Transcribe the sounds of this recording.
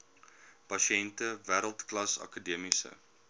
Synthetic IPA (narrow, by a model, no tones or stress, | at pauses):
pɐʃɛntəvæːɾəlˠtklɐsɐ̰kədiəmisə̰